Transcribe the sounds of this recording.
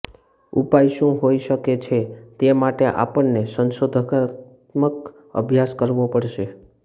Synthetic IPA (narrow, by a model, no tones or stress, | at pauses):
upajʃũɦojʃəket͡ʃʰet̪emaʈeʔa̰pəɳnesənʃod̪ʱəkt̪ | mək | ə̰bʱjaskəɾʋopəɽʃe